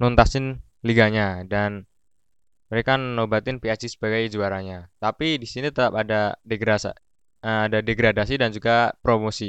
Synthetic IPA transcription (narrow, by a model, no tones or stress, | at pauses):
nɔnt̪asɪn | liɡaɲadan | məɾekanənobat̪ɪnpiat͡ʃisə̥b̥aɡajd͡ʒuaɾaɲat̪apidisinit̪ət̪apadadeɡɾas | əadadeɡɾadasidand͡ʒuɡapɾomosi